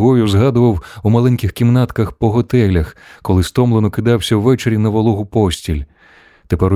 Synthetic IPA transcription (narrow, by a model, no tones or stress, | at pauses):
ɦɔjʊzɦɑd̪ʊʋɐwumɐlˠɛnʲkʲɪxkʲimnɑt̪kɐxpɔɦɔt̪ɛlʲɐxkɔlˠɪst̪ɔmlˠenɔkɪd̪ɑwsʲɐwːɛt͡ʃeɾʲinɐʋɔlˠɔɦʊpɔsʲtʲilʲ | t̪epɛɾ